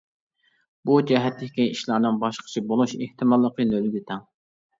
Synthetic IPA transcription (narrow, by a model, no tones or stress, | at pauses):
b̥ud͡ʒɛɦɛt̪lɪkʲkʲiiʃlˠɑɾnɨnbɑʃqʰə̥t͡ʃʰibolˠuʃeht̪ʰɨmɑlˠːəqənølɪd̪ʲɪt̪ʰɛŋ